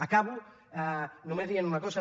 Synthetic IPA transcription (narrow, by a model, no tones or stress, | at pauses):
akaβu | anomeðianunakosa